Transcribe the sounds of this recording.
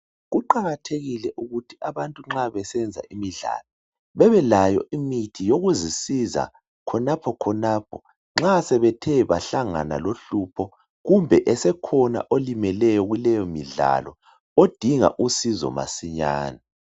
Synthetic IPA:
ɣuǃaɣatʰeɣilɛʔuɣutʰiʔaβantʼuŋ͡ǁaβɛsɛnd͡zʱa̰ʔimiɮa̰ːlɔ | βɛβɛlajɔ̰ʔimitʰijoɣuzisiza̰ | kʰɔnapʰɔkʰɔnaːpʰɔ | ŋ͡ǁasɛβɛtʰɛβaɬaŋa̰na̰loɬupʰɔ | ɣumbʱɛʔɛsɛkʰɔna̰ʔolimɛlɛjɔɣulɛjɔmiɮa̰lɔ | od̥ʱiŋa̰ʔusizɔ̰ma̰siɲa̰ːna

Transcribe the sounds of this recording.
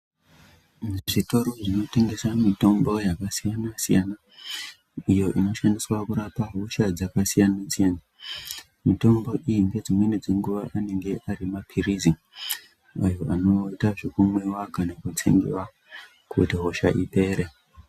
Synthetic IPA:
ʐiʐito̞ɾo̞ʐino̞te̞ŋɡe̞samito̞mbo̞jakasijanasijana | ijo̞ʔino̞ʃandiswakuɾapaɦoʃad͡zakasijanasijana | mito̞mbo̞ʔijiŋɡe̞d͡zimwe̞nid͡ze̞ŋɡuʋaʔane̞ŋɡe̞ʔaɾimapʰirizi | ajo̞ʔano̞itaʐikumwewakanakut͡sḛŋɡḭwa | kutiɦo̞ʃa̰ʔiɓe̞ːɾe

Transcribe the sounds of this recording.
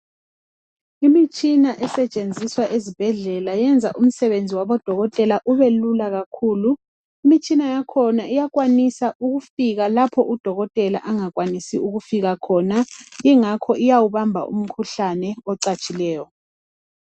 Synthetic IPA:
imit͡ʃʼinaʔɛsɛt͡ʃʼend͡zʱiswaʔezib̥ʱɛɮɛlajɛnd͡zʱaʔum̩sɛβend͡zʱiwaβɔd̥ʱɔɣɔtʼɛlaʔuβelulaɣakʰuːlu | imit͡ʃʼinajakʰɔnaijaɣwanisaʔuɣufiɣalapʰɔʔud̥ʱɔɣɔtʼɛla̰ʔaŋak̬wanisiuɣufiɣakʰɔnajiŋakʰɔʔijawuβambʱa̰ʔṵm̩kʰuɬanɛɔǀat͡ʃʼilɛːjɔ

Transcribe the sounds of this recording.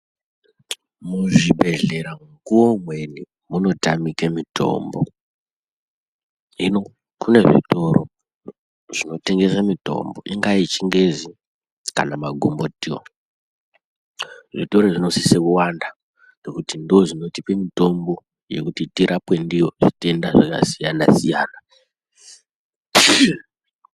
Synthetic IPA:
muʐibʱe̞ɮe̞ɾaŋɡuwomwe̞ni | muno̞tamikemitʰo̞̰mbo̰ | ino | kune̞ʐḭtoɾo̰ | ʐ̥ino̞te̞ŋɡe̞samito̞̰mbo̞̰ʔiŋɡait͡ʃiŋɡe̞zi | ka̰namaɡʱombo̞tio̰ | ʐito̞ɾo̞ʐino̞sisekuwanda | ndokutindoʐino̞tipemito̞mbo̞ | je̞̰kutitiɾʔapwe̞ndijo̞ʐite̞ndaʐaka̰sijanasija̰ːna

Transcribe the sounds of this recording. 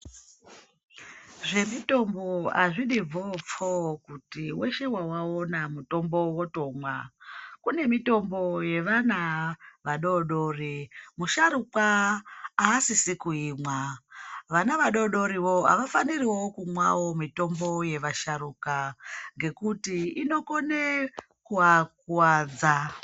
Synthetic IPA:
ʐe̞mito̞mbo̞a̰ʐiɗiop͡fokutiwe̞ʃe̞wawaonamuto̞mbo̞woto̞mwakune̞mito̞mbo̞je̞ʋanaʋaɗo̞ɗo̞rimuʃaɾukaː | sisikuiːmwa | ʋanaʋaɗo̞ɗo̞ɾiʋo̞a̰ʋafaniriwo̞kumwa̰wo̞mito̞mbo̞je̞ʋaʃaɾukaŋɡe̞kutiino̞ko̞ne | kuwak̚uwad͡za

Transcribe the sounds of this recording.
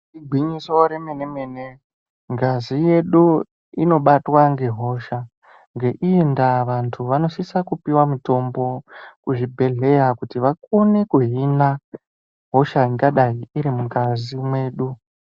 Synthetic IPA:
iɡʱwiɲisoɾemene̞me̞ːne̞ | ŋɡazije̞ɗu | ino̞ɓatwaŋɡe̞ɦo̞ʃa | ŋɡe̞ʔiendaʋantʰuʋano̞sisakupiwamito̞mbo̞kuʐibʱe̞ɮe̞jakutiʋakonekuɦina | ɦo̞ʃaiŋɡaɗaiːɾimukazimwe̞ːɗu

